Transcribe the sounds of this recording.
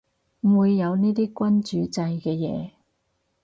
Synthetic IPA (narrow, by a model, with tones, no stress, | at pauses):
m̩˨˩wuː˨˧jːɐ˨˧wniː˥t̪iː˥kʷɐ˥nt͡ʃyː˨˧t͡sɐ˧jkɛː˧jɛ̰ː˨˧